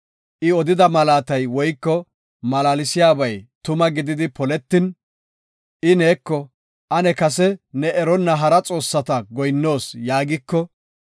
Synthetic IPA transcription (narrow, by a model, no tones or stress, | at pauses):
ʔɪɔd̪ɪd̪ɐmɐlaːt̪ɐjwɔjkːɔ | mɐlaːlɪsɪjaːbɐjt̪ʊmɐɡɪd̪ɪd̪ɪpɔlɛt̪ːɪn | ʔɪne̞ːkːɔ | ʔɐnɛkɐs̬ɛnɛɛɾɔnːɐɦɐɾɐt͡sʼo̞ːsːɐt̪ɐɡɔjnːo̞ːsjaːɡɪkːɔ